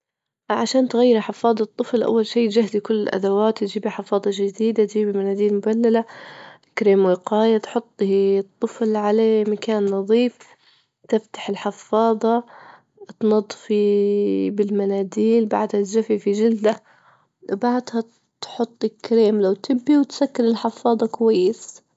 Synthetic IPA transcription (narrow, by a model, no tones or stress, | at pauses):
ʕaʃaːnt̪ɣajːɪɾħɪfɑːðˤɑt̪ˤːɨflʔa̰wːalʃiːt̪d͡ʒahd̪ikʊlːɪlʔa̰d̪awaːt̪ːd͡ʒiːbiħɪfɑːðˤɑd͡ʒɪd̪iːd̪at̪d͡ʒiːbimanaːd̪iːlmʊbalːala | kɾeːmwɪqɑːjat̪ħʊt̪ˤːt̪ˤːɨflʕalamakaːnːɑðˤiːf | t̪ɪft̪ḁħɪlħɪfɑːðˤɑ | t̪nɑd̪ˤːfi | bɪlmanaːd̪iːlba̰ʕd̪hat̪ʒafifid͡ʒɪld̪a | baʕd̪ha | t̪ħʊt̪ˤːɪkːɾeːmlawt̪ɪbːiwt̪sakːɪɾɪlħɪfɑːðˤɑkwajːɪs